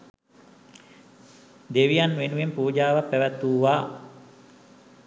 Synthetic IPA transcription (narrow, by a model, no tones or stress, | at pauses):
d̪eʋijanʋenuʋempuːd͡ʒaːʋapːæʋæt̪ːuːʋaː